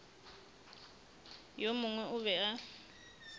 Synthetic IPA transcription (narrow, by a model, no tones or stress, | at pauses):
jomʊŋwɛʔʊβɛa